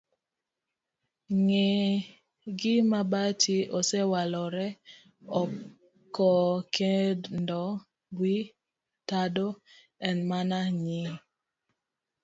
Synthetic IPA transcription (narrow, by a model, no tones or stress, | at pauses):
ŋe | ɡɪmabatiosɛwalɔɾɛ | ɔ | kːɔkʰedndɔ | ɡwi | tado | ɛnmanaɲi